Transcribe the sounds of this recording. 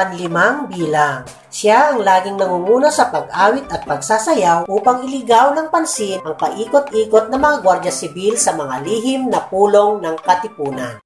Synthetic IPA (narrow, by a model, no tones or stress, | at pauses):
pɐnlɪmaŋbiːlaŋ | ʃaʔɐŋlaːɡɪŋnɐŋuŋuːnɐsɐpɐɡ̚ʔaːwɪt̪ɐt̪̚pɐɡ̚saːsɐjawʔuːpɐŋɪlɪɡawnɐŋpɐnsinʔɐŋpɐʔiːkot̪ʔiːkot̪̚nɐmɐŋaɡwaɾd͡ʒɐsɪbilsɐmɐŋaliːɦɪmnɐpuːlo̞ŋnɐŋkɐt̪ɪpuːnan